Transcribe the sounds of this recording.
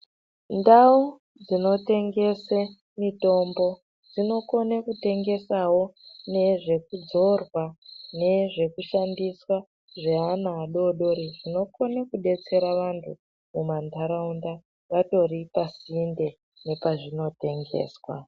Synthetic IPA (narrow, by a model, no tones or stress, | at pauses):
ndau | d͡zino̞te̞ŋɡe̞se | mito̞mbo̞ | d͡zino̞ko̞nakute̞ŋɡe̞sawo̞ne̞ʐe̞kud͡zo̞rwane̞ʐe̞kuʃandiswa | ʐeanaːɗo̞ɗo̞ɾiʐino̞ko̞nakuɗe̞t͡se̞ɾaʋantʰu | mumantaɾaunda | ʋato̞ɾipasiːnde̞ | ne̞paʐino̞te̞ŋɡe̞̰ːswa̰